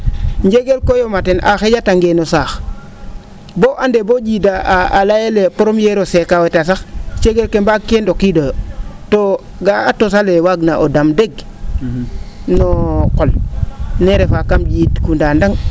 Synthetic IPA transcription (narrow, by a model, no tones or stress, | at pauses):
ɲɟeɡelkojomatenʔa̰xeɟataŋɡenosaːx | boʔandeboɟidaalajelepoɾomjeɾosekawetas̬axt͡ʃeɡelkembakːendokidojoto | ɡaatos̬alewaɡnaʔodamdeɡ | nokolneɾefakamɟitkundaːndaŋ